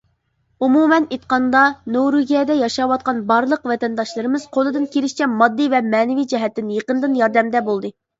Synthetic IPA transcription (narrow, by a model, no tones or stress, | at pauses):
umumɛnet̪qɑnd̪ɑnowɾuɡʲiɛd̪ɛjɑʃɑwɑt̪̚qɑnbɑɾlˠəqvɛt̪ɛnd̪ɑʃlˠɨɾɨmɨz̥qʰolˠɨd̪ɨnkʲelɪʃt͡ʃʰɛmɑd̪ːɨvɛmɛːnɪvijd͡ʒɛɦɛt̪ːɪnjeqənd̪ɨnjɑɾd̪ɛmd̪ɛbolˠd̪ɨ